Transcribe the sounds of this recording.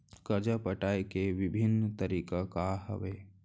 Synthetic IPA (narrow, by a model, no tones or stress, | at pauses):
kəd͡ʒəpəʈaːekeʋɪbʱɪnːt̪əɾiːkakaɦə̰ʋeː